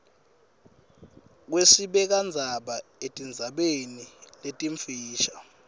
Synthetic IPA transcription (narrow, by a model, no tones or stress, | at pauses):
k̬wesiɓɛk̬and͡zʱaɓaetʼind͡zʱaɓeniletʼiɱfiːʃḁ